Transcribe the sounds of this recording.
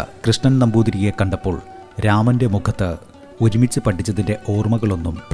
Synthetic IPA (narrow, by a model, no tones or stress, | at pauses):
krɨʂɳɐnnɐmbuːd̪ɾijekːɐɳɖɐpːo̞ːɭ | ɾaːmɐnde̞mukʰɐt̪ːɨ | oɾumit͡ɕːɨpɐʈːit͡ɕːɐðinde̞ʔo̞ːrmɐɣɐɭo̞nːump